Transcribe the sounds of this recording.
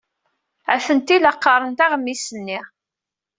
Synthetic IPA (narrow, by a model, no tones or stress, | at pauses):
æθənt̪ilɑqːɑɾˤənt̪ɑʁmːisənːɪʁ